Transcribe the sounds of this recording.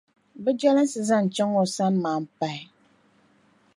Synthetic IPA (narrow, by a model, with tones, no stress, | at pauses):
bɛ˦d͡ʒa˦lə˦n˦sɨ˨za˦˨n˨t͡ʃɔ˦ŋɔ˨sa˦nmaː˨m̩˨pa˨i˨